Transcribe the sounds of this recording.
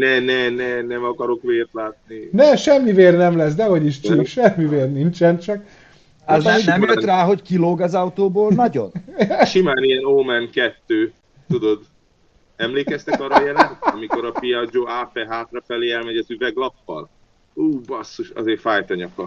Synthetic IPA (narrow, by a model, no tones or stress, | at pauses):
nɛnɛnɛnɛmɒkɒɾo̞kʋeːrt̪laːt̪ninɛʃɛmːiveːrnɛmlɛs̬d̪ɛɦɒɟiʃt͡ʃikʃɛmːiveːrnint͡ʃɛnt͡ʃɒk | ɛznɛmjøt̪raːɦo̞ckiloːɡɒzɒwt̪oːboːlnɒɟo̞̰nʃimaːnijɛnoːmɛnkɛt̪ːøː | t̪ud̪o̞d̪ | ɛmleːkkɛst̪ɛkɒrːɒjɛlɛnɒmiko̞ɾɒpijɒd͡ʒoːaːpɛɦaːt̪rɒfɛleːɛlmɛɟɒzyvɛɡlɒpːɒ̰l | uːbɒsːoʃɒ̰zeːfaːjt̪ɒɲɒkːɒ